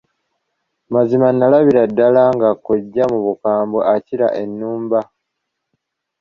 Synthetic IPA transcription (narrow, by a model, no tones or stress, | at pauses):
mazimanːalaβiɾadːalaŋɡakoɟːamuβukaːmboʔaciɾa̰ʔe̞nːuːmba